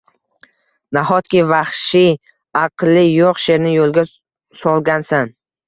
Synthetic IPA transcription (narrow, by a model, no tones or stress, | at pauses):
naɦɒt̪kʲɪvaχʃi | ɑqlˠːɪjoqʃe̞ɾnɪjolˠɡʲa | sɒlˠɡʲansan